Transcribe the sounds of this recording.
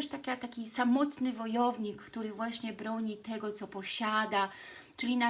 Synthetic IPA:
ʂt̪akʲat̪akʲisamɔt̪nɘvɔjɔvɲikːt̪uɾɘvwaɕɲɛbɾɔɲit̪ɛɡɔt̪sɔpɔɕad̪a | t͡ʂɘlʲina

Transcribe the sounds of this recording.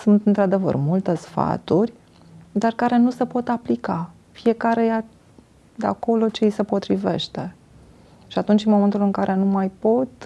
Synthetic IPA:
sunt̪ɨnt̪ɾad̪e̞və̰rmult̪e̞sfa̰t̪urʲ | d̪arkaɾe̞nuse̞po̞t̪aplika | fie̞kaɾe̞ja | d̪ea̰ko̞lo̞t͡ʃejse̞po̞t̪ɾive̞̰ʃt̪e̞ | ʃiat̪unt͡ʃɨnmo̞me̞nt̪ulɨŋkaɾʔe̞numajpo̞t̪

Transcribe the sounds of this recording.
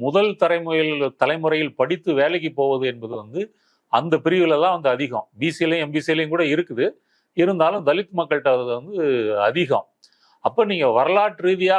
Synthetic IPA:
mʊðɐlt̪ɐɾɐɪmʊjɪlt̪ɐlɐɪmɯɾɐjɪlpɐɽɪt̪ːɯʋeːlɐkːipːoːʋɐðɯɛnbɐðɯʋɐnd̪ɯ | ɐnd̪ɐpɪɾɪʋɪlɐlːãːʋɐnd̪ɯɐðɪɣɐ̰̃mbiːsilɛmbiːsiɛlɪnkuːɽɐɪɾɯkːɯðɯ | ɪɾɯnd̪aːlɯ̃md̪ɐlɪk̪ːɯmɐkːɐɭʈːɐðɐðʋɐnd̪ɯɐðɪɣɐ̰m | ɐpːɐːniːŋɡɐʋɐɾɐlaːʈɾiːðɪjaː

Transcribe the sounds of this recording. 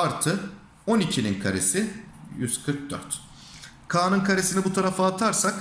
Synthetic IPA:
aɾt̪ʰɯ | o̞nicʰininkʰaɾesɪjyzkʰɯɾk̚d̪œ̰ɾt̪ | kʰaːnɯnkʰaɾesinibut̪ʰaɾafaːt̪ʰaɾsak

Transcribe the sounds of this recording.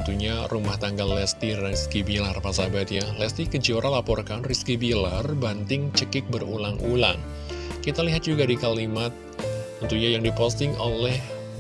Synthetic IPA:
nt̪uɲarumaht̪aŋɡalːɛst̪irɛskibilarpasabat̪jalɛst̪ikəd͡ʒioɾʔalapɔrkanriskibilarbant̪ɪŋt͡ʃəkɪk̚bərṵlaŋʔula̰ŋ | kit̪aliɦat̪̚d͡ʒuɡadikalimat̪̚ | ənt̪uɲajaŋdipɔst̪ɪŋolɛh

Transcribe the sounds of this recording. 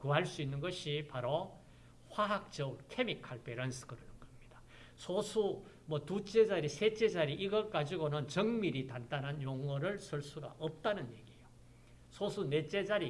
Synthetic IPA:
kɯɦaɭs͈uinːɯnɡʌɕʰipaɾo | ɸwaɦak̚t͡ɕ͈ʌkʰe̞mikʰaɭpe̞ɾʌnsʰɯ̥ɡɯɾʌnɯnɡʌmɲid̥ḁ | sʰosʰu | mʌtut͡ɕ͈e̞d͡ʑaɾisʰe̞t͡ɕ͈e̞d͡ʑaɾiʔiɡʌɭk͈ad͡ʑiɡonɯnt͡ɕʌŋmiɾitandanɦanjoŋwʌɾɯɭsʰʌɭs͈uɡa̰ʔʌp̚t͈anɯnje̞ɡijo | sʰosʰune̞t͡ɕ͈e̞d͡ʑaɾi

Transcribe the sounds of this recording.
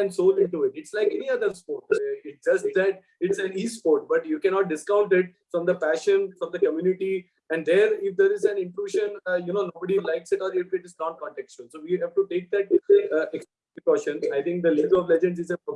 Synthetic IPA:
ɛ̃nsoːlɪ̃ɳʈuɪʈɪʈslaɪkɛniʌd̪əɾspoːɾʈɪd͡ʒʌsʈ̚d̪æʈ̚ | ɪʈsɛ̃niːspoːɾʈ̚bʌʈjukɛ̃ñɔːʈ̚ɖɪskãʊ̃ɳʈɪʈ̚ | fɾɔ̃md̪əpæʃə̃nfɾɔ̃md̪əkəmjuːnɪʈi | ɛ̃ɳɖd̪eːɾɪfd̪eːɾɪzɛ̃nɪ̃ɳʈɾuːʃə̃njunoːnoːbəɖilaɪksɪʈɔːɾɪfɪʈɪznɔ̃ːnkɔ̃ːɳʈɛkst͡ʃũnsoːʋiɦæʋʈuʈeːk̚d̪æʈeks | pɾɪkɔʃə̃naɪt̪ʰɪ̃ŋk̚d̪əliɡəɾɔʋlɛd͡ʒə̃ɳɖsɪzɛ̃

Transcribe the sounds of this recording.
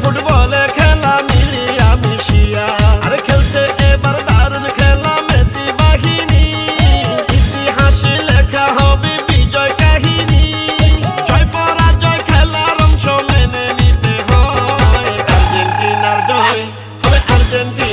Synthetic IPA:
pʰuʈbɔlekʰeːlamilijamiʃijaɐɾekʰelt̪ʰeʔebɐɾd̪aɾɔnkʰeːlameːsibaɦini | it̪iɦãt͡ʃileːkʰaɦɔbibid͡ʒɔjkaɦini | t͡ʃɔjpɔɾad͡ʒɔjkʰeːlaɾɔmt͡ʃʰɔmɛnenit̪eɦɔjeɐɾd͡ʒent̪ilaɾd͡ʒɔj | ɔeʔɐɾd͡ʒ̪ent̪i

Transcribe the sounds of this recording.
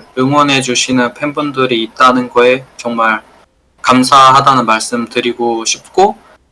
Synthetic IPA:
ɯŋwʌnɦe̞d͡ʑuɕʰinɯnpʰe̞nbundɯɾiːt̚t͈anɯnɡʌe̞t͡ɕʌŋmaɭ | kamsʰaɦadanɯnmaɭs͈ɯmtɯɾiɡoɕʰip̚k͈o

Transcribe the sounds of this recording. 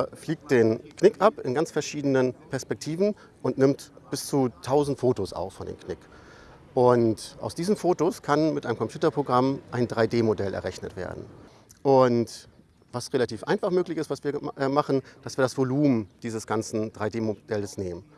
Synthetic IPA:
fliːk̚t̚d̥eːnkʰnɪkʔapɪnɡant͡sfɛɐʃiːdənənpʰɛɐspɛk̚tʰiːvn̩ | ʔʊntnɪmtb̥ɪst͡suːtʰaʊzn̩tfoːtosa̰ʊfːɔndḛːmkʰnɪk | ʔʊntʔa̰ʊsd̥iːzənfoːtoskʰanmɪtʔaɪnəmkɔmpʰjuːtɐpʁ̥oɡʁamʔaɪndʁaɪdeːmodɛlʔɛ̰ʁɛçnə̰tv̥ḛːɐdn̩ | ʔʊnt | v̥asʁelatʰiːfʔa̰ɪnfaχmøːklɪçɪstv̥asv̥iːɐʔɛmaχn̩d̥asv̥iːɐdasv̥oluːmd̥iːzəsɡ̥ant͡sn̩d̥ʁaɪdeːmod̥ɛləsneːmən

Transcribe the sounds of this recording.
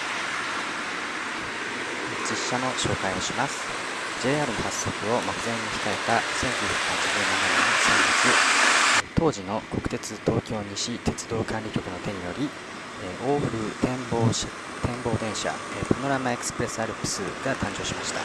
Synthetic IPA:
d͡ʑiɕːano̞ɕo̞ːkaioɕimasɨ̥ | d͡ʑe̞ːaːɾɯ̟no̞hasːo̞kɯ̟o̞mokɯ̟zẽ̞ɲ̟ːiçi̥kae̞t̪asẽ̞ŋkʲɨːçʲjakɯ̟hat͡ɕiʑɨːnanananosãŋbit͡sɨ | t̪o̞ːʑino̞ko̞̥kɯ̟̥t̪e̞t͡sɨt̪o̞ːkʲo̞ːɲ̟iɕit̪e̞t͡sɨd̪o̞ːkãnɾʲikʲo̞kɯ̟no̞t̪e̞ɲ̟ijo̞ɾʲi | oːɸɯ̟t̪ẽmbo | t̪ʰẽ̞mbo̞ːd̪ẽ̞ɰ̃ɕa̰epano̞ɾamae̞kɯ̥sɨ̥pɯɾe̞sɨaɾɯ̟pɯ̥sɨ̰ɡat̪ʰãɲ̟d͡ʑo̞ːɕimaɕi̥t̪a̰

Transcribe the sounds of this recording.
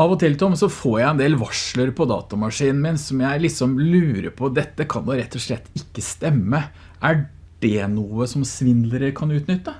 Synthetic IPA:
ɑʋɔt̪ʰɪlt̪ʰɔmsɔfoːjæɪɛnd̪eːlʋɑʂɭəɾpʰɔd̪ɑ̰ːt̪ɑmɑʂiːnn̩mɪnsɔmjæɪlɪksɔmlʉːɾə̰ɾpʰɔd̪ɛt̪ːəkʰɑnd̪ɛɾɛt̪ʰːɔʂɭɛt̪ːɪkːəst̪ɛmːə | ʔæ | ɖ̥ɛnuːəsɔmsʋɪnd̪ləɾəkʰɑnʉːt̪nʏt̪ːə

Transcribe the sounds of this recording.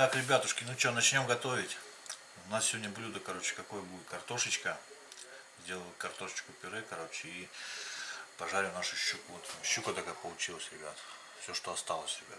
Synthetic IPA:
t̪akɾʲɪbʲat̪ʊʂkʲɪnut͡ɕonɐt͡ɕnʲo̞mɡɐt̪o̞vʲɪtʲ | ʊnassʲɪvo̞dʲnʲəblʲud̪əkɐɾo̞t͡ɕɪ̥kɐko̞jəbuɪt̪̚kɐrt̪o̞ʂɨt͡ɕkə | zʲdʲe̞lˠəlˠkɐrt̪o̞ʂə̥t͡ɕkʊpʲɪɾɨkɐɾo̞t͡ɕɪi | pɐʐaɾʲɪnaʂʊɕːukʊvot̪ɕːukɐt̪akak̚pəlˠʊt͡ɕilˠəsʲɾʲɪbʲa̰t̪ | fsʲoʂt̪oɐst̪alˠəsʲɾʲɪbʲa̰t

